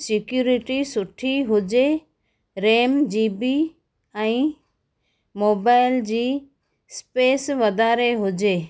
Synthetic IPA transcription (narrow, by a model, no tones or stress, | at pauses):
sɪkjuɾiʈisʊʈʰiɦʊd͡ʑe | ɾeːmd͡ʑiːbi | ɛ̃ĩ | moːbaːɪld͡ʑiː | speːsʋəd̪aːɾeɦʊd͡ʑeː